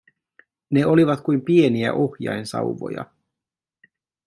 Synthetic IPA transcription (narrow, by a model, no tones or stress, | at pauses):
ne̞o̞liʋɑt̪kujmpie̞niæ̰ʔo̞xjɑ̰jnsɑ̰wʋo̞̰jɑ̰